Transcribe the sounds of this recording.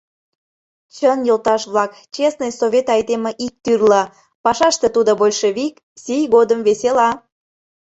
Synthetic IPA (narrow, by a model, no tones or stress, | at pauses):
t͡ɕənjolt̪ɑʃβlɑk | t͡ɕesnɨjsoβʲet̪ɑjd̪emeʔik̚t̪yrlɑ | pɑʃɑʃt̪et̪ud̪obolʲʃeβik | sijɣod̪əmveselɑ